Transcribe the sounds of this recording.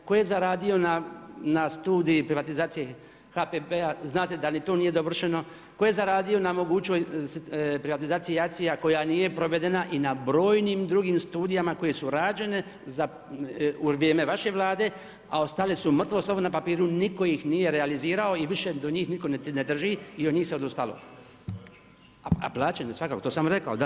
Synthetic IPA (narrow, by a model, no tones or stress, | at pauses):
ko̞je̞zaɾaːd̪io̞nanast̪uːd̪ijipɾiʋat̪izaːt̪sije | hapebeaznaːt̪ed̪anit̪o̞ːnije̞d̪o̞ʋr̩ʃe̞no̞ | ko̞jezaɾaːd̪ijo̞namoɡuːt͡ʃos | pɾiʋat̪izaːt̪ijeak̚t̪sijako̞janije̞pɾo̞ʋe̞d̪e̞naʔinabɾo̞ːjniːmd̪ɾuɡiːmst̪uːd̪ijamako̞je̞suɾaːd͡ʒe̞ne̞ | za | uʋjeːme̞ʋaʃe̞ʋlˠaːd̪e̞ː | a̰o̞st̪alesumr̩t̪ʋoslˠo̞ʋonapapiːɾuniko̞jixnije̞ɾealiziːɾao̞iʋiʃe̞d̪o̞ɲiːxnit̪ko̞nened̪r̩ʒiːiod̪ɲiːxseod̪ust̪alo̞̰ | aa̰plˠaːt͡ɕenesʋakaːkot̪osamɾe̞kaod̪a